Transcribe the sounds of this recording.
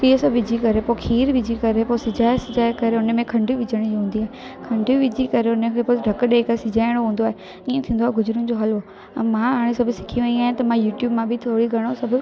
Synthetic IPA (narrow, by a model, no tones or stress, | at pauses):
t̪iːəsɐbʋɪd͡ʑʱikɐɾepokʰiːɾʋɪd͡ʑʱikɐɾeposɪd͡ʑaːesɪd͡ʑaːekɐɾeʊnə̆mẽkʰɐ̃ɳɖʱiʋɪd͡ʑʱəɽ̃d͡ʑiɦũːn̆d̪iaːɦekʰɐ̃ɳɖʱiʋɪd͡ʑʱikɐɾeʊnəkʰeːpoːɖʱɐkɗeːkɐesɪd͡ʑaːɪɽ̃oɦũːn̆d̪oaːɦe | iːẽt̪ʰĩːn̆d̪oːɦeɡʊzɾʊ̃nɪ̆d͡ʑoɦɐlɦo | ɐ̃mãaːɽ̃ẽsɐbʱʊsɪ̥kʰiʋɐ̃niaːɦɪ̃t̪ɐmãjuːʈjuːbmãbʱit̪ʰoːɽiɡʱɐɽ̃osɐbʱʊ